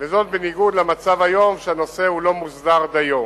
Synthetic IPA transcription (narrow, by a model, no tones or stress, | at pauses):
vezo̞t̪̚beniɡud̪lamat͡savajo̞mʃeano̞se̞hulo̞muzd̪aʁd̪ajom